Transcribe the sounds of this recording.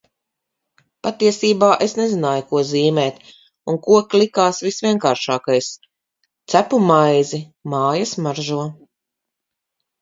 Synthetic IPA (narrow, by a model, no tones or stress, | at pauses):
pat̪iɛsiːbaːʔesnezinaːjukuɔziːmɛːt̪ | unkuɔklikaːsvisvʲiɛnkaːɾʃaːkajs | t̪sæpumajzimaːjɐsmaɾʒuɔ